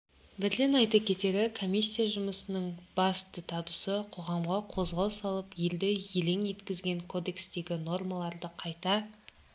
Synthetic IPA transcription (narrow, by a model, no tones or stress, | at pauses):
bɪɾlenɑjt̪ɑkʲʰe̞t̪e̞ɾɪkʰo̞mʲijsʲːijaʒʊməsənəɴb̥ɑst̪ət̪ʰɑbəsəqʰo̞ʁɑmʁɑqʰo̞zʁɑlˠsɑlˠəpje̞ld̪ɪjele̞ŋje̞t̪kʲɪzɡʲe̞ŋkʰo̞d̪e̞kst̪e̞ɡʲɪno̞rmalˠɑɾd̪əqʰɑjt̪ɑ